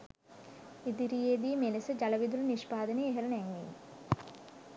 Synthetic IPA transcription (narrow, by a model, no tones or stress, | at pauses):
id̪iɾijeːd̪iːmenesəd͡ʒɐlɐʋid̪uləniʃpaːd̪əneeɦeɾənɛŋʋḭː